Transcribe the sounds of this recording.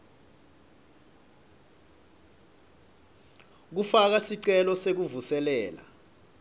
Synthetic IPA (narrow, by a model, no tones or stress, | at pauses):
k̬ufak̬asiǀɛlɔsek̬uvusɛlɛːla̰